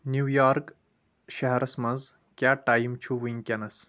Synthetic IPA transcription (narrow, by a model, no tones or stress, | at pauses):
njuːjaːɾk | ʃɐɦɐɾɐsmɐnz | kʲjaːʈaːjmt͡ʃʰuʋiŋkʲjɐnɐs